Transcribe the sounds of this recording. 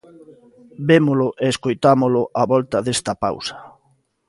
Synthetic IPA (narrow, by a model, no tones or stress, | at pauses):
bemʊlʊʔeːskojt̪amolʊʔaβɔlt̪ɐðest̪ɐpa̰wsɐ̥